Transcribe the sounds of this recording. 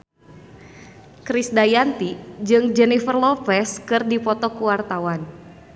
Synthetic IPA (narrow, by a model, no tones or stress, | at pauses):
kɾisdajant̪id͡ʒɨŋd͡ʒɛnifərlɔpɛskɨrdipɔt̪ɔkuwart̪awan